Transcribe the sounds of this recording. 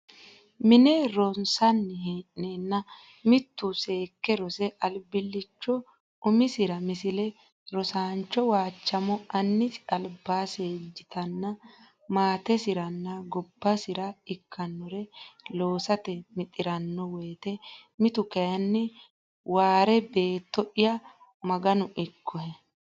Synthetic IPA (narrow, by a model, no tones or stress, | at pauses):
mɪnɛɾɔnsɐnːɪɦeːʔneːnːɐ | mɪt̪ːʊse̞ːkːɛɾɔsɛʔɐlbɪlːɪt͡ʃːɔ | ʊmɪsɪɾɐmɪsɪlɛ | ɾɔsaːnt͡ʃːɔwaːt͡ʃːɐmɔɐnːɪtɪɐlbaːseːd͡ʒːɪt̪ʰɐnːɐ | maːt̪ɛsɪɾɐnːɐɡɔbːɐsɪɾɐɪkʰːɐnːɔɾɛlo̞ːsɐt̪ɛmɪt̪ʼːɪɾɐnːɔweːt̪ɛmɪt̪ʊkɐjɐnːɪ | waːɾɛbe̞ːt̪ːɔʔɪjɐ | mɐɡɐnʊʔɪkʰːɔhɛ